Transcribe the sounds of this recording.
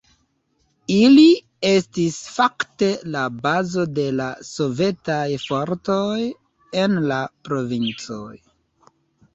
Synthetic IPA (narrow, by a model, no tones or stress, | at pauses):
ili | e̞stisfakte̞labazo̞de̞laso̞ve̞tajfo̞ɾtoj | enlapɾo̞vint͡so̰j